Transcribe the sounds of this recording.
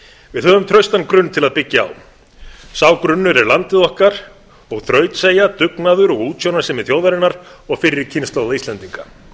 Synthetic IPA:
vɪðhœːvʏmt̪ʰɾœɥst̪ankɾʏnːt̪ʰɪlaðpɪcːa̰ːw | saːwkɾʏnːʏɾɛɾlant̪ɪðɔhkaɾ̥ | ɔɣθɾœːɥt̪seːjat̪ʏknaðʏɾɔɣuːt̪sjownaɾ̥sɛmɪðθjowðaɾɪnːaɾ̥ɔɣfɪɾːɪɾcʰɪnst̪awðaist̪ɛnt̪iŋka

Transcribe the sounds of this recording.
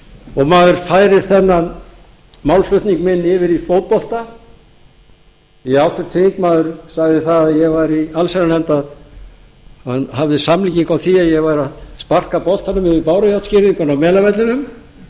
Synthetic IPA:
ɔɣmaːðʏɾ̥faːjɾɪɾ̥θɛnːa | mawlfœht̪niŋkmɪnːɪvɪɾifowt̪̚pɔl̥t̪a | iɛawt̪ʰʏɾt̪ʰeiŋkmaːðʏɾ̥saɣðɪθaðajɛɣvaɾialsɛɾalɛmt̪að | hanhavðɪsamliːciŋkawθiajɛɣvaɾaðspar̥kapɔlt̪anʏmɪvɪɾpaːwɾajawt̪scɪɾiŋkʏnawmɛːlavɛt̪lɪnʏm

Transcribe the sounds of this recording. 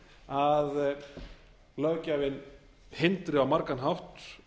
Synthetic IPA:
að | lœcavɪn | hɪnt̪ɾɪawmaɾkanɦawht̪

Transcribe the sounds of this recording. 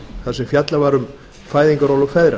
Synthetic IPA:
θaðsɛmfjat̪lavaɾʏm | faːjðiŋkaɾɔwlɔfɛðɾa

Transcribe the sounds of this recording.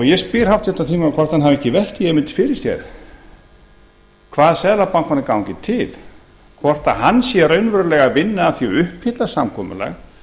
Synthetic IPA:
ɔɣjɛspɪɾ̥haft̪jɛht̪ːat̪ʰiːmaɾakʰvɔr̥t̪hanɦavɛhcːɪvɛl̥t̪iɛmɪnt̪ɪ̥fɪɾɪ̥sjɛ̰ɾ̥ | kʰvaːðsɛːðlapaŋkvanːɪkawŋcɪt̪ʰɪl | kʰvɔr̥t̪ahanːsjɛrœɥnvœɾlɛɣavɪnːaːθjɔʏhphɪt̪lḁsamkʰɔːmʏ̰la̰ɣ

